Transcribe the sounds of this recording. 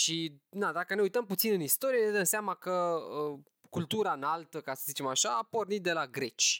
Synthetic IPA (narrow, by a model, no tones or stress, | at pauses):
ʃid̪ad̪akəne̞ujt̪əmput̪sinɨnist̪o̞ɾijeed̪əmseamakəə | kult̪uɾanalt̪əkasəzit͡ʃe̞maʃaːpo̞rnit̪̚d̪e̞laɡɾe̞t͡ʃʲ